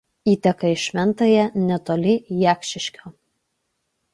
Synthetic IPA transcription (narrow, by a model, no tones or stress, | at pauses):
iːt̪ʲɛkɐɪʃʲʋʲɛnˑt̪ɐjɛnʲɛt̪oːlʲɪjæːkʲʃʲɪʃʲkʲoː